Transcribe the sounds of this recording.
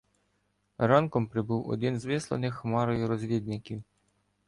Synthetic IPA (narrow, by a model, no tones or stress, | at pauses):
ɾɑnkɔmpɾɪbuwɔ̰d̪ɪnzʋɪslˠɐ̰nɪxmɑɾɔjʊɾɔzʲlʲid̪̚nɪkʲiw